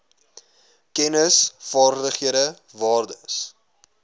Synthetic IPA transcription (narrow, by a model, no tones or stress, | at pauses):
kɛnəsfɑːrdəχiəɾə | vɑːrdəs